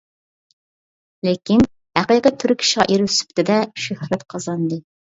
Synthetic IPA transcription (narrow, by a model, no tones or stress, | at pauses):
lekʲin | hæqijqət̪ʰːyɾkʲʰi̥ʃɪʁɑ̰ʔeɾsy̥p̚t̪ʰɪd̪ɛʃøhɾɛt̪qʰɑzɑnd̪ɨ